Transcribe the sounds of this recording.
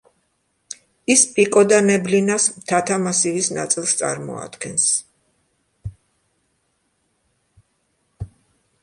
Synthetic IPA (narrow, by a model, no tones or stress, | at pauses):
ispʼikʼɔd̪anɛblinasmt̪ʰat̪ʰamasivisna̰t̪sʼilˠst̪sʼa̰ɾmɔ̰a̰d̪̥ɡɛns